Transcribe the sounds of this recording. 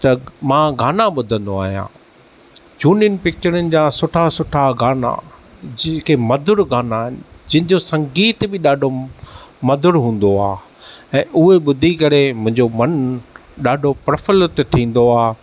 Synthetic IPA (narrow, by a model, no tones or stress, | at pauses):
t̪ɐmãːɡaːnaɓʊd̪ʱə̃nd̪oa̰ːɦijã̰ː | d͡ʑuːniənɪ̆pɪk̚t͡ɕəɾənɪ̆d͡ʑaːsʊʈʰasʊʈʰaɡaːna̰d͡ʑɪkʰemɐd̪ʱʊɾɡaːnaːɦɪnɪ̆d͡ʑɪ̃ɦɪ̃ɲ̆d͡ʑosɐ̃ŋɡiːt̪bɪɗaːɖʱo | mɐd̪ʱʊɾɦũːn̆d̪oaː | ɛ̃ːʔʊɦeɓʊd̪ʱikɐɾemʊ̃ɦɪ̃ɲd͡ʑomɐn | ɗaːɖʱopɾəfəlt̪ʈ̪ʰĩːn̆d̪oaː